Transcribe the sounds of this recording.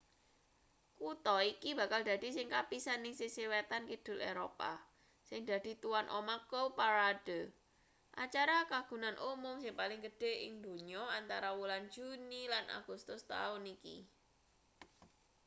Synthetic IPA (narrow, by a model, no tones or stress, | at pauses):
kut̪ɔikiba̤kald̪ä̤d̪̥i̤sɪŋkapisanɪŋsisiwet̪ankid̪̥ʊ̤lʔeɾopa̰ | sɪŋd̪̥ä̤d̪̥i̤t̪uwanʔo̰makopaɾad̥ə̤ | ʔa̰t͡ʃaɾakaɡ̥ṳnanʔumʊmsɪŋpalɪŋɡəɖ̥e̤ɪ̰ŋd̪o̤ɲɔant̪aɾawulan̥d͡ʒ̥unilana̰ɡ̥ust̪ʊst̪a̰ʊnikḭ